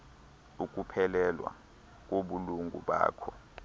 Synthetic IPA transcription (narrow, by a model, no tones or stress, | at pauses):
uk̬ʼupʰɛlɛlwa̰ | k̬ʼoɓuluŋɡʱṵɓa̰ːkʰɔ